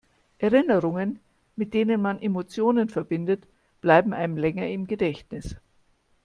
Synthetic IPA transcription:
ʔɛɐʁɪnəʁʊŋən | mɪt̚d̥eːnənmanʔemot͡sjoːnənfɛɐbɪndət | b̥laɪbm̩ʔaɪnmlɛŋɐɪmɡədɛçtnɪs

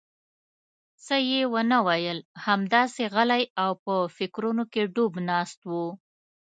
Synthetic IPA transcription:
səjewənawajəlhamd̪ɑseɣalajawpəfɪkɾunokeɖobnɑst̪wu

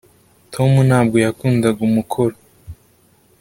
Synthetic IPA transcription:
tʰo̞munaːb̚ɡo̞jakuːnzaɡumukʰoɾo

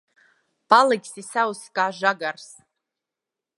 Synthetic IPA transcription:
palɨɡʲsisawskʼaːʒaɡars

